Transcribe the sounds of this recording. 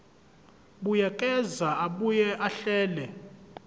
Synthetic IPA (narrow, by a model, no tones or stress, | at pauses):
ɓujakʼɛzaaɓujɛʔaɬɛːlɛ